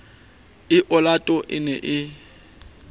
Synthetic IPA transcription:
ɪʔɔlatʼɔʔɪ̰nɛʔɪ

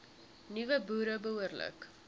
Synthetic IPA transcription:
nivəbuːɾəbəuərlə̰k

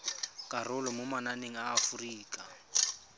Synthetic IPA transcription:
kʼarʊlɔmʊmananeŋ̩aːfuriːkʼa

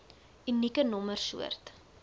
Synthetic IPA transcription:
ynikənɔmərsṵərt

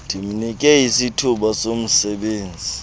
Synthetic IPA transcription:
d̥ʱim̩nikʼɛisitʰuɓasom̩sɛɓeːnd͡zʱi

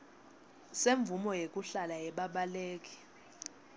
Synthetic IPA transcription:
seɱvumɔjekʼuɬalajɛɓaɓaleːkʼi̥

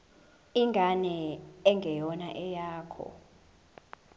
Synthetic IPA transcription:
iŋɡʱanɛɛŋɡʱɛjɔnaʔɛjaːkʰɔ̰

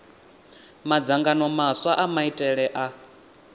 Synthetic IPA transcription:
mad͡zaŋɡanɔmaswaʔamaitʼɛɺɛʔa

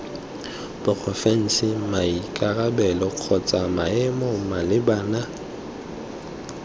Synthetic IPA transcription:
b̥ʊpʰɔfɛn̩sɪmaikʼarabɛlɔq͡χʰɔt͡sʼamaɛmɔmalɪbaːna

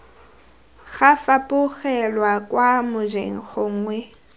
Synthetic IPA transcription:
ɣafapʼʊɣɛlwakʼwamʊd͡ʒḛŋ̩χʰɔŋ̩ŋwɛ

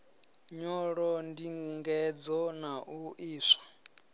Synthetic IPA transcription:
ɲɔɺɔndiŋɡuŋɡɛd͡zɔnaʔuʔiːsḁ

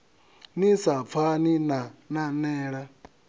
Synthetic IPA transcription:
nisap̪fʰaninananɛːɺa

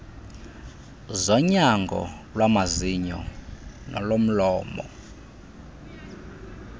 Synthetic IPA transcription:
zɔɲaŋɡʱɔ̰ | lwamaziɲɔnɔ̰lom̩lɔːmɔ̰

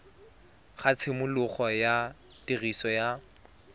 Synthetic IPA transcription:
χat͡sʰɪmʊlʊχɔjatirisɔja

